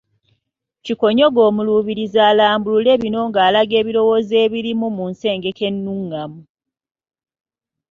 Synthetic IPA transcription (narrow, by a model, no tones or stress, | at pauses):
ciko̞ɲo̞ɡo̞ːmuluβiɾizaːlaːmbulule̞ːβino̞ŋɡaːlaɡe̞ːβilo̞wo̞ːze̞ːβiɾimumunse̞ːŋɡe̞ke̞nːuŋːamu